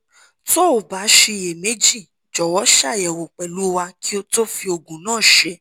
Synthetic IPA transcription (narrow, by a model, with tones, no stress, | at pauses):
to˦o˨ba˨˦ʃe˧je˨me˨˦d͡ʒi˦˨ | d͡ʒɔ˨wɔ˨˦ʃa˦˨ɛ˨wo˨k͡pɛ˨lu˨˦wa˧ki˦o˧to˦fi˧o˧ɡũ˨nãː˦˨ʃe˧˦